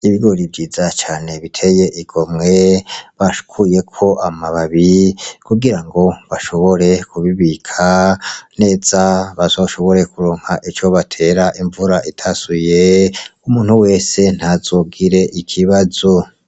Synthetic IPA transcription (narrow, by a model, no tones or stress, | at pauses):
iβiɡo̞ɾibɟiːzat͡ʃaːne̞βitʰe̞je̞ʔiɡ̥o̞mŋeβaʃu̥kʰuje̞kʰo̞ʔamaβaβikuɡiɾaŋɡo̞βaʃo̞βo̞ɾe̞kuβiβikʰane̞ːzaβazo̞ʃo̞βo̞ɾe̞kuɾoːŋhaʔit͡ʃo̞βatʰe̞ːɾaʔiɱvuɾaʔitʰasujeumuːnhuwe̞ːse̞n̥hazo̞ɡiɾe̞ʔikʰiβazo